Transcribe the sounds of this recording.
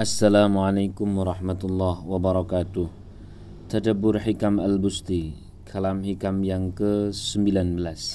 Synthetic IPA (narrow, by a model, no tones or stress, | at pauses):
ʔasːalamʕalajkumwaɾˤɑħmat̪ulːahwabaɾˤɑkaːt̪ʊh | t̪adabʊrħikamalbust̪i | kʰalamhikamjaŋkəsəmbilanbəlas